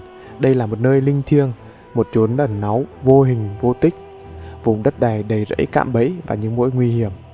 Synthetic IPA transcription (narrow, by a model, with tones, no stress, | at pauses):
ɗə˧jlaː˨˩mo˨˩t̚nəː˧jlï˧ŋ̟t̪ʰi˧əŋ | mo˨˩t̚t͡ɕu˨˦nɗə˨˧˩nːa˨˦wvo˧ɦï˨˩ŋ̟vo˧t̪ï˦˥k̟̚ | vʊ˨˩ŋ͡mɗə˦˥t̚ɗaː˨˩jɗə˨˩jzə̰˧˥jka̰ː˧˨mɓə˧˦˥jvaː˨˩ɲɨ̰˧˥ŋmo̰˧˥jŋwi˧hi˧˩əm